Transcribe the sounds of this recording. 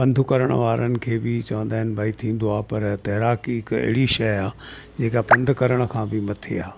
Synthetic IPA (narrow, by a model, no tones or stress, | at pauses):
pɐ̃nd̪ʱʊkɐɾəɽ̃ʋaːɾənɪ̆kʰeːbɪt͡ɕɐʋə̃nd̪aːɦɪnɪ̆bʱaːit̪ʰĩːnd̪oaːpɐɾt̪ɐɦɾaːkiɪkɐ̰ɦɪɽiʃɐjaː | d͡ʑeːkapɐ̃nd̪ʱʊkɐɾəɽ̃ə̆kʰãːbɪmɐt̪ʰeaː